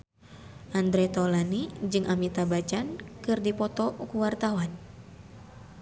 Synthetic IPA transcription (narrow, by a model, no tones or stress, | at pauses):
ʔand̪ɾɛt̪ɔlanid͡ʒɨŋʔamit̪abat͡ʃankɨrdipɔt̪ɔkuwart̪awan